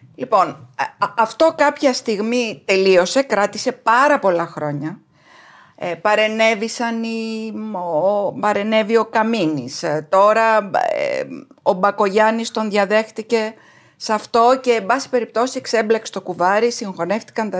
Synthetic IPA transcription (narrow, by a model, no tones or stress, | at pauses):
lipo̞nɐft̪o̞kɐpçɐst̪iɣmit̪e̞lio̞se̞kɾɐt̪ise̞pɐɾɐpo̞lɐxɾo̞ɲɐ | pɐɾe̞ne̞visɐnimopɐɾe̞ne̞vio̞kɐminist̪o̞ɾɐ̰ | obɐko̞ʝɐnist̪o̞nðʝɐðe̞xt̪ice̞ | sɐft̪o̞ce̞ːmbɐsi̥pe̞ɾip̚t̪o̞siekse̞mblekse̥t̪o̞kuvɐɾisiŋxo̞ne̞ft̪i̥kɐnt̪ɐ